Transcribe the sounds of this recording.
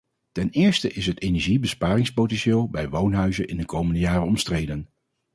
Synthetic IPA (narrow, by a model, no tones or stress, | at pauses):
tɛnɪːɹstəʔɪsɦətenɛɹʒibəspaːrɪŋspowtɛnʃɪːlˠbɛjʋownɦœɥzənʔɪndəkowməndəjaːrənɔmstrejdən